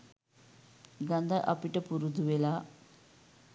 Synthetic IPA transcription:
ɡɐnd̪aʔa̰piʈəpuɾud̪uʋela

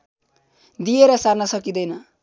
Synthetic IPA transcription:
d̪ijeɾʌsarnʌsʌkid̪ʌjnʌ

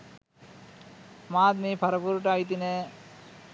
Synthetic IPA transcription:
maːd̪mipʰɐɾɐpuɾʈajt̪̬ine

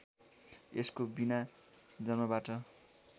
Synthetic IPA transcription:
eskobina | d͡zʌnmʌbaʈʌ

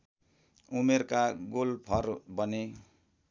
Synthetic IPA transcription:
umerkaɡolpʰʌrbʌne

